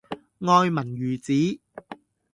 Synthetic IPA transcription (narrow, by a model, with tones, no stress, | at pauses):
ŋɔː˧jmɐ˨˩nɥyː˨˩t͡siː˨˥